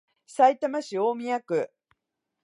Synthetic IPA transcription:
sait̪amaɕioːmʲijakɯ̟

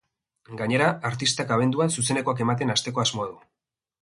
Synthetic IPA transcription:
ɡaɲe̞ɾaːɾt̪ist̪akaβ̞e̞nd̪uansus̬e̞ne̞ko̞ake̞mat̪̬e̞nast̪e̞ko̞azmo̞aðu

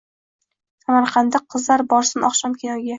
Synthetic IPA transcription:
samaɾqʰɑnd̪aqʰːɨzlaɾbɒɾsɪnɒχʃɒmkʲʰenɒɡʲa

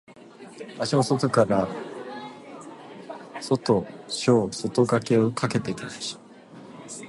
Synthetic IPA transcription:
baɕosot̪o̞kaɾa | so̞t̪o̞ɕoːso̞t̪oɡake̞o̞kʰake̞t̪eit̪anaɕi̥

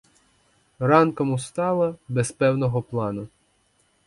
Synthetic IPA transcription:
rɑnkɔmʊst̪ɑlˠɐbɛspɛwnɔɦɔplˠɑnʊ

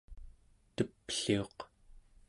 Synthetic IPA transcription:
t̪əpɬio̞q

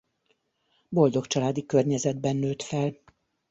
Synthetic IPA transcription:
bo̞ld̪o̞kt͡ʃɒlaːd̪ikørɲɛzɛd̪̚bɛnːøːt̪fɛl

